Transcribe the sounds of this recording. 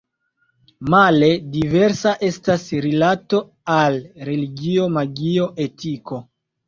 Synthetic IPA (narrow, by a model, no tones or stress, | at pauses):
male̞dive̞ɾsaʔe̞stasɾilato̞ | alɾe̞liɡio̞maɡio̞ʔe̞tʰiko̞